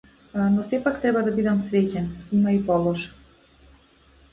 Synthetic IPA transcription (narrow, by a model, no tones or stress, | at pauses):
nosepakt̪ɾeβad̪abid̪amsɾet͡ɕenimaipɔlˠoʃ